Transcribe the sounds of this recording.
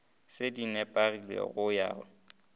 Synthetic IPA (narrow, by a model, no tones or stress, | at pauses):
sɪdinɛpʼarilḛɣʊja̰ːɔ